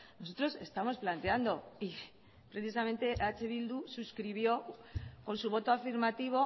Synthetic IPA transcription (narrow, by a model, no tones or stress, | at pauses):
no̞so̞t̪ɾo̞se̞st̪amo̞splant̪e̞and̪o̞i | pɾe̞θis̬amẽ̞nt̪e̞ʔat͡ʃeβild̪ususkɾiβ̞jo̞ko̞nsuβ̞o̞t̪oafiɾmat̪iβ̞o̞